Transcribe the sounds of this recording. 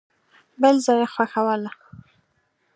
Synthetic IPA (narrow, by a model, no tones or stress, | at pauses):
bəlzɑjaxwaxawala